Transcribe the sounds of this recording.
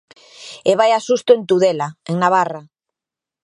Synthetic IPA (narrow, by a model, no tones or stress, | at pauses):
eβajasust̪oent̪uðelaḛŋnaβ̞ara